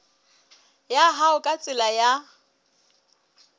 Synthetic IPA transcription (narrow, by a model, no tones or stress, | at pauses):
jaɦaʊkʼat͡sʼɪlaja